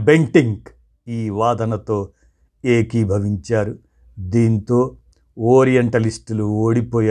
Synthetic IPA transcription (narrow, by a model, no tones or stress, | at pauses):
beŋkiŋɡ | iːʋaːd̪ɐnɐt̪o̞ː | eːkibʱɐʋiɲt͡ʃaːɾu | d̪iːnt̪oː | oːɾijɐɳʈɐlisʈluoːɽipoːjaː